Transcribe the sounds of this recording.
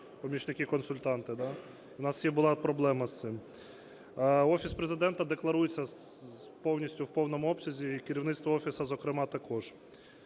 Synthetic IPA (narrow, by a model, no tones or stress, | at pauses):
pɔmʲit͡ʃnɪkɪkɔnsʊlʲt̪ɑnt̪ɪd̪ɑ | ʊnɑsjibʊlˠɑpɾɔblˠɛmɐst̪sɪm | ɔfʲispɾezɪd̪ɛnt̪ɐd̪e̞klˠɐɾujet͡sʲːɐ | pɔwnʲisʲtʲʊwpɔwnɔmʊɔpsʲɐzʲikɪɾʲiwnɪt̪st̪ʋɔɔfʲisɐzɔkɾɪmɑt̪ɐkɔʒ̥